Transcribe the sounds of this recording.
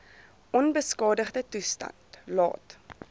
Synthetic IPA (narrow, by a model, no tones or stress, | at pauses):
ʔɔnbəskɑːdəχdətustɐ̰ntlɑ̰ːt